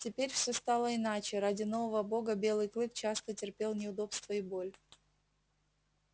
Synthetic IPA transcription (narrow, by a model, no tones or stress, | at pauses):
tʲɪpʲeɾʲfsʲost̪alˠəɪnat͡ɕɪɾadʲɪno̞vəvəbo̞ɡəbʲe̞lˠɨjklˠɨk̚t͡ɕast̪ətʲɪrpʲe̞lˠnʲɪʊd̪o̞pst̪vəɪbo̞lʲ